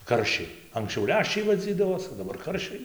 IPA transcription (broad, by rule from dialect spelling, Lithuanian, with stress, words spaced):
ˈkɐrʲʃʲɛɪ ɐŋksʲˈt͡ʃʲɛʊ ˈlʲæːʃʲt͡ʃʲɛɪ ʋɐˈd͡zʲiːdɐʋoːs oː dɐˈbɐr ˈkɐrʲʃʲɛɪ